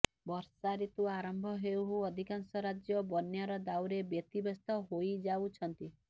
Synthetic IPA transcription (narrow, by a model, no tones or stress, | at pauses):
bɔɾsaɾit̪uaɾɔmbʱɔɦeuɦuɔd̪ʱikansɔɾad͡ʒjɔbɔnjaɾɔd̪awɾebjɔt̪ibɔst̪ɔɦojd͡ʒawt͡ʃʰɔnt̪i